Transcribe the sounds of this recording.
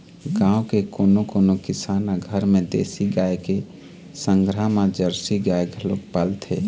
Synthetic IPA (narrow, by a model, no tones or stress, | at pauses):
ɡãũkekoːnokonokɪsanaɡʱəɾmẽd̪ḛsiɡaeke | səŋɡɾamãd͡ʒəɾsiɡaeɡʱəlok̚palt̪ʰḛ